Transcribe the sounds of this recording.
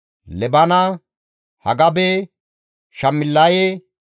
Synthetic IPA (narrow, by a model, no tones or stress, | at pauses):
lɛbɐnɐ | hɐ̰ɡɐbe | ʃɐmːɪlːɐje